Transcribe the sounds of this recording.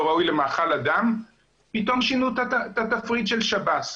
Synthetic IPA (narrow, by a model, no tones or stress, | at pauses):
ʁaujlemaːχalad̪am | pit̪o̞mʃinut̪t̪at̪afʁid̪ʃelʃabas